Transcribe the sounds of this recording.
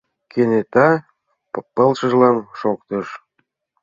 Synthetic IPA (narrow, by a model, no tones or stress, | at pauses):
kenet̪ɑ | ppːə̆lʃə̆ʒlɑnʃokt̪əʃ